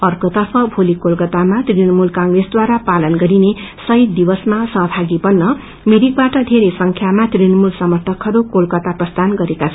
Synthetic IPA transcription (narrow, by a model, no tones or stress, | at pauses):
ʌrkot̪ʌrpʰʌbʱolikolkʌt̪amat̪rinʌmulkaŋɡresd̪waɾapalʌnɡʌɾinesʌɦit̪̚d̪ibʌsmasʌɦʌbʱaɡibʌnːʌ | miɾik̚baʈʌd̪ʱeɾesʌŋkʰjamat̪rinʌmulsʌmʌrt̪ʰʌkɦʌɾukolkʌt̪aprʌst̪anɡʌɾekat͡sʰʌ